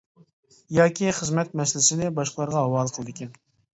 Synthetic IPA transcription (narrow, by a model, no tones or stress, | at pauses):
jɑːkʲiχəzmɛt̪̚mɛsɪlɪsɪnɪbɑʃqəlˠɑɾʁɑɦɑwɑːlˠqʰəlˠɨd̪ɪkʲʰɛn